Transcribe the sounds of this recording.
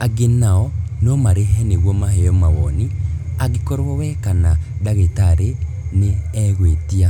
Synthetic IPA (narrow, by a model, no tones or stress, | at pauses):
aɡenaɔnomaɾeɦɛneɣwɔmaheɔmawɔniaɣikɔɾwɔwɛkanadaɣetaɾe | neɛɣwetia